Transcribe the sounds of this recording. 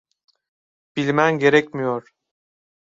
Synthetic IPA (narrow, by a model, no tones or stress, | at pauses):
b̥ilʲmænɟe̞ɾɛcmijoɾ̥